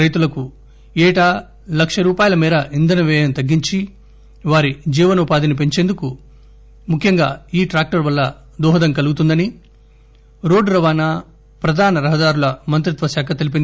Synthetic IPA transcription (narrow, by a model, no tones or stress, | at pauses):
ɾɐjt̪ulɐku | ɛːʈa | lɐkʂɐɾuːpaːjɐlɐmiːɾɐʔind̪ɐnɐʋɛːjɐnt̪ɐɡːiɲt͡ʃi | ʋaːɾid͡ʒiːʋɐnɐupaːd̪inip̬e̞ɲt͡ʃend̪uku | mukʰjɐŋɡaːiːʈɾaːk̚ʈɐɾʋɐlːɐ | d̪ɔːɦɐd̪ɐŋkɐluɡut̪und̪ɐni | ɾo̞ːɖɾɐʋaːnɐ | pɾɐd̪ʱaːnɐɾɐɦɐd̪aːɾulɐmɐnt̪ɾit̪ʋɐʃjaːkʰɐt̪e̞lip̬ind̪i